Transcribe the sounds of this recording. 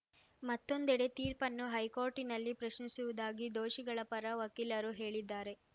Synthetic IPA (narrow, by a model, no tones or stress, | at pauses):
mɐt̪ːo̞nd̪ɛɽe̞t̪iːɾpɐnːuɦɐjko̞ːɾʈinɐlːipɾɐʃnisuʋud̪aːɡid̪oːʃiɡɐɭɐpɐɾɐʋɐkːilɐɾuɦe̞ːɭid̪ːaːɾe̞